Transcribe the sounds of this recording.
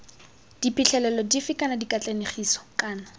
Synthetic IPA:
d̥ipʼiɬɛlɛlɔdifɪkʼanadikʼat͡ɬʼaneχiːsɔ̥kʼaːna

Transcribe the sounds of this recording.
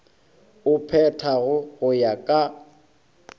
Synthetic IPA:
ʊpʰɛtʰaɣʊɣʊjakʼa

